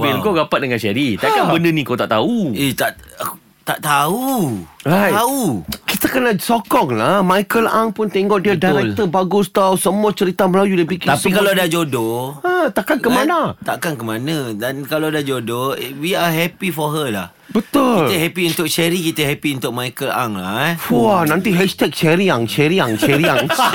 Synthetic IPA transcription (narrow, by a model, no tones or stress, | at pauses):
filmkoɡapat̪̚dəŋãnʃɛɾit̪akanbəndənĩkot̪aʔt̪auiht̪aʔ | t̪aʔt̪auɾajaukit̪əkənasokɔŋlahmajkəla̰ŋpʊnt̪eŋɡɔʔdiadaɾɛk̚t̪əbaɡʊst̪awsəmuat͡ʃəɾit̪aməlajuləbikit̪apikaladad͡ʒodɔat̪aʔkankəmãnat̪aʔkankəmanə̃dankalawdad͡ʒodowiaɦɛpifɔɦəlah | bət̪ʊiləɦɛpiunt̪ʊk̚ʃɛɾikit̪əɦɛpiunt̪ʊk̚mãjkəla̰ŋla̰fuanãnt̪iɦɛʃt̪ɛk̚ʃɛɾiaŋʃɛɾiaŋʃɛɾiaŋ